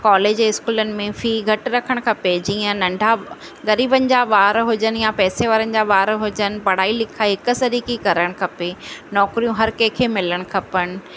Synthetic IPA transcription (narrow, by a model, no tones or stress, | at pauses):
kɔːleːd͡ʑɛ̃ːɪskuːlənɪ̆mẽfiːɡʱɐʈɾɐkʰəɽ̃kʰɐped͡ʑiːə̃nɐ̃ɳɖʱa | ɣɐɾiːbənɪ̆d͡ʑaʋaːɾɦʊd͡ʑən̆japɛːseʋaːɾənɪ̆d͡ʑaʋaːɾɦʊd͡ʑənɪ̆pɐɽ̤aːilɪkʰaɦɪkʊ̆sɐɾiːkikɐɾəɽ̃kʰɐpenɔːkɾijũɦɐɾkeːkʰeːmɪləɽ̃ʊkʰɐpəɽ̃ɪ̆